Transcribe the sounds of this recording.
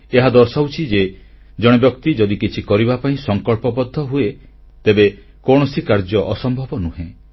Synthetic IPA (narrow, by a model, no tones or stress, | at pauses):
eɦad̪ɔɾsawt͡ʃʰid͡ʒe | d͡ʒɔɽ̃ebjɔkt̪id͡ʒɔd̪ikit͡ʃʰikɔɾibapaĩsɔŋkɔɭpɔbɔd̪ʱːɔɦue | t̪ebe | kɔɽ̃ɔsikaɾd͡ʒɔʔɔsɔmbʱɔbɔnuɦẽ